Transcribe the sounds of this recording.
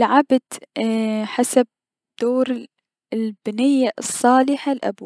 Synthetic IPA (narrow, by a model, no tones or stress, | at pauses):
lʕabd̪ | ħasab̚ | d̪̥oːɾ | ɪlbɪnɪjːaɨsˤːɑːlɪħalʔa̰b